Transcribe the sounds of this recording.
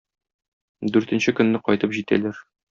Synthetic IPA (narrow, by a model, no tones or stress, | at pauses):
d̪ʉɾt̪ɘ̆nɕɘkɵ̆nːɘqɒjt̪ɤpʑit̪æ̰læɾ